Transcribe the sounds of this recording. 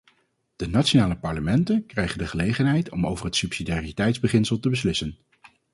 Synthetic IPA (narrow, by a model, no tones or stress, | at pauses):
d̥ənatt͡ʃonaːləpɑɹləmɛntənkrɛjχəndəχəlejχənɦɛjtɔmowvərɦətsypsidaːritɛjtzbəχɪnsəlˠtəbəslɪsən